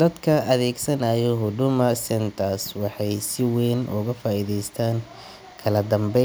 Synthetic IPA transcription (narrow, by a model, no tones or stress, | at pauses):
d̪̥ɐd̪kʰɐʔɐðɛːɡsɐnɐːjɔɦʊd̪ʊmɐsɛnt̪ʰaːswɑħɑjsɪwɛːnʔʊ̰ɣɐfaːiðɛjst̪ʰaːŋ | kʰɐlɐd̪ɐmbɛ